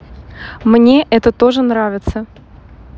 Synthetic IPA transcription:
mnʲeʔɛt̪ət̪o̞ʐɨnɾavʲɪt̪sə

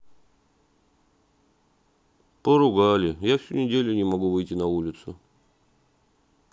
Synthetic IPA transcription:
pəɾʊɡalʲɪjafsʲunʲɪdʲelʲʊnʲɪmɐɡuvɨjtʲɪnɐulʲɪt̪sʊ̰

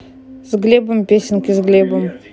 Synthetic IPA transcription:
zɡlʲebɨmpʲesʲɪnʲkʲɪzɡlʲebəm

